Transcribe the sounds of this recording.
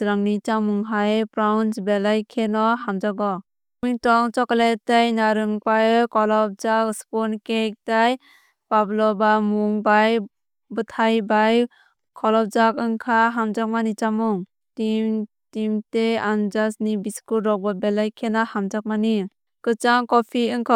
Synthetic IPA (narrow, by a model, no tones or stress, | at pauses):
ɾaŋnit͡ʃamuŋɦajpɾawnsbelajkʰenɔɦamd͡ʒaɡɔ | mitɔŋt͡ʃɔklatajnaɾɯŋpajɯkɔlɔp̚d͡ʒakspɔnkek̚taj | pablɔbamuŋbaj | bɯtʰajbaj | kʰɔlɔp̚d͡ʒakɯŋkʰaɦamd͡ʒak̚manit͡ʃamuŋ | tim | timteand͡ʒasnibiskulɾɔk̚babelajkʰenɔhamd͡ʒak̚mani | kɯt͡ʃaŋkɔpʰiɯŋkʰɔ